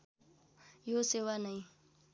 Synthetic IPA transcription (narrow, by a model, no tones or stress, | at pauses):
josewanaĩ